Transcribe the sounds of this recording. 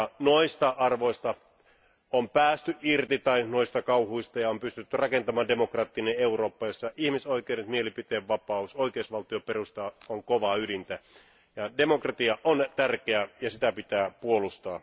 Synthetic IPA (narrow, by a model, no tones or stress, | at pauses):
noist̪ɑʔɑrʋoist̪ɑ | ompæːst̪yʔirt̪it̪ɑinoist̪ɑkɑuhuist̪ɑjɑompyst̪yt̪ːyrɑkent̪ɑmɑːnde̞mokrɑːt̪ːineeuroːpːɑjosːɑʔihmisoik̟euɾet̪mielipit̪eːʋʋɑpɑusoikeusʋɑlt̪ioperust̪ɑoŋkoʋɑydint̪æ | jɑdemokrɑt̪iɑʔont̪ærkeæjɑsit̪æpit̪æːpuolust̪ɑː